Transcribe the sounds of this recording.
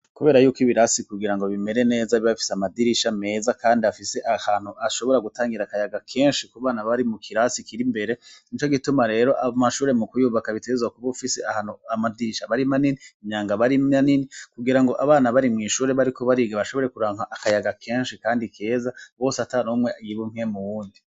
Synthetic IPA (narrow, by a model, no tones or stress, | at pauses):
kuβe̞ːɾajuːkiβiɾasikuɡiɾaŋɡo̞βime̞ɾe̞ne̞ːzaβiβafi̥seamadiɾiʃame̞ːzakʰaːndiafise̞ʔahaːn̥huʔaʃo̞βo̞ɾaɡutaːŋɡiɾakajaɡakʰe̞ːnʃikuβaːnaβaɾimukʰiɾasikʰiɾimbe̞ɾe̞it͡ʃo̞ɡitumaɾe̞ːɾo̞ʔamaʃuːɾe̞mukujuːβakaβiteɡezwakuβofiseʔahanuamadiɾiʃaβaɾimaniniimɲaːŋɡaβaɾianinikuɡiɾaŋɡo̞ʔaβaːnaβaɾimŋiːʃuːɾe̞βaɾikʰo̞βaɾiɡeβaʃo̞βo̞ɾe̞kuɾaːŋ̥aʔakajaɡakʰe̞ːnʃikaːndikʰe̞ːzaβo̞ːsatanumŋejiβuŋ̥e̞muβuːndi